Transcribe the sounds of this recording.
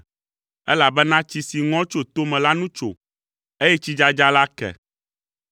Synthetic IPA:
ɛ˦la˨bɛ˦nã˦t͡ɕi˨si˨ŋɔ̃˦t͡ʃo˨t̪o˦mɛ̃˨la˦nũ˦t͡ʃo̰˨ | e˦jɛ˦t͡ɕi˦d͡ʒa˦d͡ʒa˦la˦kɛ̰˨

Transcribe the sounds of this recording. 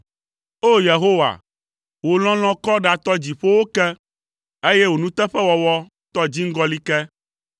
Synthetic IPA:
o˦je˨ɦo˦wa̰˨ | wo˨l̃ɔ̃˦l̃ɔ̃˦kɔ˦ɖa˨t̪ɔ˦d͡ʑi˨ɸo˦wo˦kɛ˦ | e˦je˦wo˨nũ˦t̪ɛ˦ɸɛ˦wɔ˨wɔ˦ | t̪ɔ˦d͡ʑi˦ŋ̩˦ɡɔ˦li˦kɛ˦

